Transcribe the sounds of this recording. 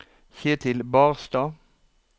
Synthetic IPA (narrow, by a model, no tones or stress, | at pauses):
çeːt̪ʰɪlbɑːʁst̪ɑː